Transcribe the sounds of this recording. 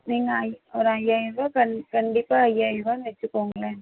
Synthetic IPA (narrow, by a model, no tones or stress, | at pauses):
niːŋɡɐjɔɾɐjaːjʋakɐnkɐɳɖɪpːaːɐjaːjʋanʋɛt͡ʃːɯkːoːŋɡɐle